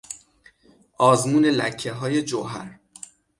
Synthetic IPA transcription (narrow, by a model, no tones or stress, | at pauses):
ʔɒːzmuːne̞læcʰːeɦɒːje̞d͡ʒoɦæ̰ɾ